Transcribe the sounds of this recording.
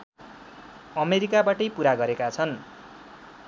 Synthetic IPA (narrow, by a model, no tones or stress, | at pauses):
ʌmeɾikabaʈʌjpuɾaɡʌɾekat͡sʰʌn